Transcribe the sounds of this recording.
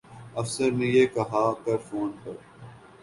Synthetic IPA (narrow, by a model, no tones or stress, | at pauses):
ɐfsəɾnẽjekɐɦaːkɐɾfoːnpɐɾ